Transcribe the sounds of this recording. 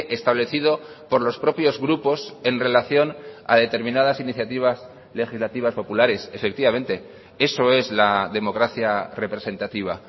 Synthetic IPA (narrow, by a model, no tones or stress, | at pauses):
ʔest̪aβleθið̞o̞ | po̞ɾlo̞spɾo̞pjo̞zɣɾupo̞se̞nre̞laθjo̞na̰ð̞e̞t̪e̞ɾmĩnað̞asiniθjat̪iβ̞as | le̞xizlat̪iβ̞aspo̞pulaɾe̞sefe̞kt̪iβame̞nt̪e̞ | e̞so̞e̞zlaðe̞mo̞kɾaθjare̞pɾe̞se̞nt̪at̪iβ̞a